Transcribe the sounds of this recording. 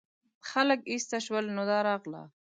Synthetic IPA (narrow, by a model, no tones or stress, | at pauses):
xaləkist̪aʃwəlnod̪ɑːɾɑːqla̰